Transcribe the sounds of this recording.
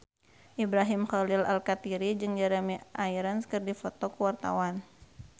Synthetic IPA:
ʔibɾaɦimχalɪla̰lkat̪iɾid͡ʒɨŋd͡ʒaɾamiʔaiɾanskɨrdifɔt̪ɔkəwart̪a̰wan

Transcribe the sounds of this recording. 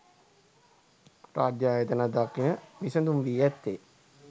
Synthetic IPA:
pɾaːd̪jaːjət̪ənad̪akːinəʋisənd̪umʋiːjɛt̪ːe

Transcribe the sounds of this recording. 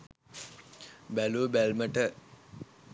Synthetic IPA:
bæluəbælməʈə

